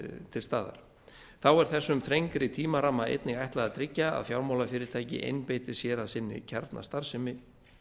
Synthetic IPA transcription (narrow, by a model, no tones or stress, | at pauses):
t̪ʰɪlst̪aːða̰ɾ̥ | θawɛɾ̥θɛsːʏmθɾejŋkɾɪt̪ʰiːmaɾamːaḛjt̪nɪɣajht̪laðat̪ʰɾɪcːaa̰ðfjawɾmawlafɪːɾɪɾ̥t̪ʰaːjcɪ̰ʔḛjnpeːjt̪ɪ̥sjɛːɾaðsɪnːɪ̰cʰɛɾt̪nʔa̰st̪aɾ̥sɪmɪ